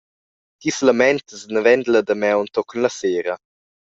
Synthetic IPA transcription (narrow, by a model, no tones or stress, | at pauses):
kisləmɛnt̪əsnəvɛnd̪ləd̪əmɛwnt̪ɔkənləseːɾɐ